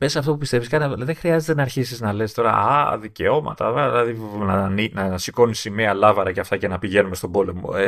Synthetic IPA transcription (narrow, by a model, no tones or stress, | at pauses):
pesɐft̪opupist̪e̞viskɐnðexɾiɐzet̪enɐɾçisiznɐle̞st̪o̞ɾɐ̰ɐ̰ðice̞o̞mɐ̰t̪ɐ̰ðilɐðinɐninɐsiko̞nisimeɐlɐvɐɾɐcɐft̪ɐce̞nɐpiʝe̞nume̞st̪o̞bo̞le̞mo̞̰e